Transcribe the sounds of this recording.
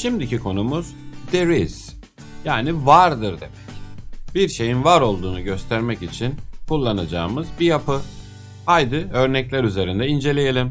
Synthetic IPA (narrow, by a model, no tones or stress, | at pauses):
ʃimd̪icikʰo̞numuz̥d̪eɾiz̥ | jaːnivaɾd̪ɯɾd̪e̞mɛcb̥iɾʃe̞jinvaɾo̞lˠd̪uːnuɟø̞st̪ʰæɾmɛcit͡ʃʰinkʰulˠːanad͡ʒa̰ːmɯzbijapʰɯ | hajd̪ɯø̞ɾnɛclʲæɾyze̞ɾind̪ɛind͡ʒe̞lʲejelʲim